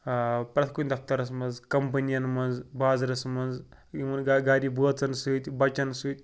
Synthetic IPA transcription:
pɾɐt̪ʰkunʲd̪ɐft̪ɐɾɐs̬mɐnzkɐmp̬ɐnijɐnmɐnd͡zbaːzɾɐsmɐnz | imɐnɡaɡaːɾibuɐt͡sɐnsut̪ʲbɐt͡ʃɐnsut̪̚ʲ

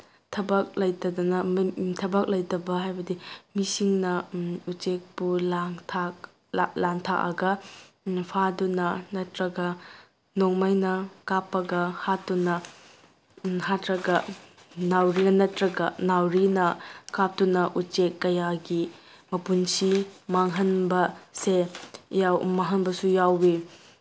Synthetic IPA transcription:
tʰɐbɐk̚lɐjdɐdɔnɐtʰɐbɐk̚lɐjdɐbɐɦajbɐdimisiŋnɐut͡ʃek̚pulaŋtʰa | laŋtʰaʔɐ̰ɡɐ | pʰadunɐnɐtɾɐɡɐ | noŋmajnɐkapːɐɡɐhatːunɐ | hatɾɐɡɐ | nawɾinɐnɐtɾɐɡɐnawɾinɐkap̚tunɐʔut͡ʃekːɐjaɡi | mɐpunsimaŋɦɐnbɐsejawmaɦɐnbɐsujawi

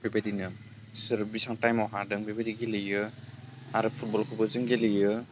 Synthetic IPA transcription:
bibadinɯ | sɯɾ̚bisaŋtajmɔɦadɯŋbibadiɡelɯjɯ | aɾɯpʰut̚bɔlkʰɯbɔzɯŋɡelɯjɯ

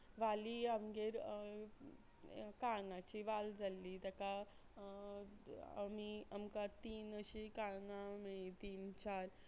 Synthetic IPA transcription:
ʋaliamɡeɾ | kaŋãt͡ɕiʋald͡zalːid̪aka | miəmkaɾt̪iːnəɕikaŋaməit̪iːnt͡ɕaɾ

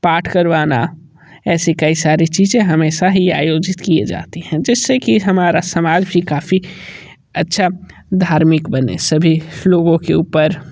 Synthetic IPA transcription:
paːʈʰkəɾʋaːna̰ | ɛːsikɐisaːɾit͡ʃiːzẽɦɐmeːʃaɦia̰ːjoːd͡ʒɪt̪kied͡ʒa̰ːt̪iɦɛ̃d͡ʒɪsːekiɦɐmaːɾasɐmaːd͡ʒbʱikaːfi | ɐtːʃʰa | d̪ʱaːɾmɪkbənḛsəbʱiloːɡõkeuːpəɾ

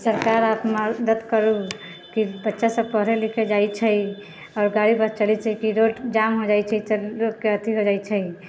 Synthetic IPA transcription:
səɾkaɾapməd̪əd̪kəɾu | kibətːʃasəb̚pəɦɾelikʰed͡ʒajt͡ʃʰəj | ɔːɾɡaɽipəɾt͡ʃəlit͡ʃʰəjkiɾoʈd͡ʒamɦod͡ʒajt͡ʃʰəisəlɾokeət̪iɦod͡ʒajt͡ʃʰəj

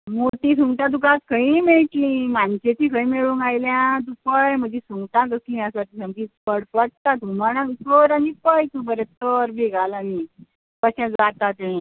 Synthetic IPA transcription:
mot̪iːs̬uŋɡt̪ãt̪ũkãskəĩmeɭʈ̪lĩmant͡ɕet̪ikʰəĩmeɭũːŋɡajljãt̪̬ũpəjm̤əd͡ʑesuŋɡt̪ãɡəslĩjãsaʈiːsəmkiːt͡spəɽpəɽ̚t̪at̪umaɽ̃atəɾanipəjt̪ubəɾet̪əɾbiɡʱalani | kəɕãd͡zat̪at̪eẽ

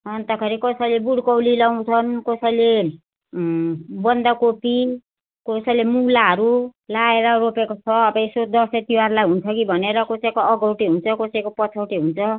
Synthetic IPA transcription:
ʌnt̪ʌkʰʌɾikʌsʌjlebuɽkʌwlilaw̃t͡sʰʌnkʌsʌjle | bʌnd̪akopi | kosʌjlemulaɦʌɾulaeɾʌropekot͡sʰʌːbʌesod̪ʌset̪iwarlajɦunt͡sʰʌkibʱʌneɾʌkosekoʌɡʌwʈiɦunt͡sʰʌkosejkopʌt͡sʰawʈiɦunt͡sʰʌ

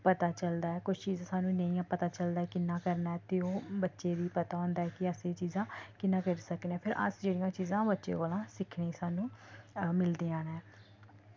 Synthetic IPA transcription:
pət̪aːt͡ʃəld̪aːɛːkʊt͡ʃʰt͡ʃiːzãːsaːnũːnəĩːapət̪aːt͡ʃəld̪aːɛːkɪnːãːkəɾnaːɛːt̪eoːbətːʃeːd̪iːpət̪aːɦõːnd̪aːɛːkɪəseːt͡ʃiːzãːkɪnːãːkəɾsəknɛ̃ːpʰɪɾʔə̰sd͡ʒeːɽijãːt͡ʃiːzãːbətːʃḛːkoːlãːsɪkʰneːsaːnũːmɪld̪iːãːnɛ̃ː

